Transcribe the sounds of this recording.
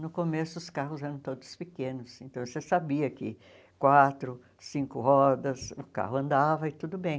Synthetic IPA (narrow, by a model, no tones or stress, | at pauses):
nʊkomesʊʊskaɦʊzɛɾɐ̃w̃t̪od̪ʊspɪkẽnʊsẽnt̪ɐ̃w̃sesabiɐkɪ | kwat̪ɾʊ | sĩkʊɦɔd̪ɐsʊka̰ɦʊɐ̃nd̪avɐɪt̪ud̪ʊbẽj̃